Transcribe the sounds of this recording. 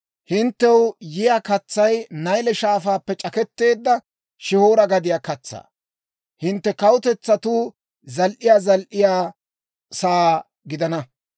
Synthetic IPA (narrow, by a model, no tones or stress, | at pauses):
hɪnt̪ːɛwjɪjaːkɐt͡sːɐjnɐjlɛʃaːfaːpːɛt͡ʃʼɐkɛt̪ːe̞ːd̪ːɐ | ʃɪhoːɾɐɡɐd̪ɪjaːkɐt͡sːa̰ː | hɪnt̪ːɛkɐwʊt̪ɛt͡sːɐt̪uː | zɐlʔɪjaːzɐlʔɪjaː | saː | ɡɪd̪ɐnɐ